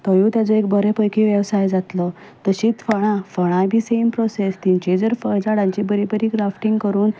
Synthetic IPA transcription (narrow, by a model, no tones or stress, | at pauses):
t̪əjũt̪jat͡səek̚bʱəɾepəjkiʋjəʋsajd͡zat̪lə | t̪əɕiːt͡sfəɽ̃ãfəɽ̃ãbʱiːsempɾɔsest̪iɲt͡ɕed͡zəɾfəd͡zaɽãɲt͡ɕibəɾibəɾiːɡɾafʈiŋɡkəɾuːn